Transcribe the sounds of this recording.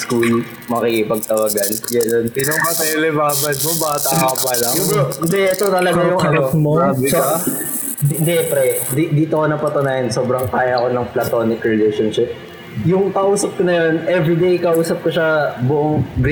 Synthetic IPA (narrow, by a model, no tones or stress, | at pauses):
skuːl | mɐkikɪpɐɡ̚t̪ɐwɐɡɐnɡɐnonsɪnomɐsɛlɛbaːbɐd̪mobat̪ɐkɐpɐlajʊɪnd̪ɛʔɛt̪o̞t̪ɐlɐɡɡajʊŋɐnɐkmoaːbɪsɐ | ɪnd̪ɛpɾɛd̪id̪iːt̪oko̞nɐpɐt̪ʊnaːʔɐnso̞ːbɾɐŋkaːjɐɐko̞nɐŋplɐt̪o̞ːnɪkɾɪlejʃonʃɪp̚ | jʊŋkɐʔuːsɐp̚konɐjonʔɛvɾid̪ejkɐʔuːsɐp̚koʃɐbʊʔoŋɡ